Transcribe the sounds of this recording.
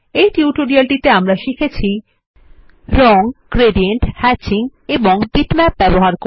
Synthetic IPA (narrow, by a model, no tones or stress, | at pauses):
ejʈiuʈoɾialʈit̪eamɾaʃikʰet͡ɕʰi | ɾɔŋkɾeɖieɳʈhɛt͡ɕiŋeboŋbiʈmɛp̚bɛboɦaɾko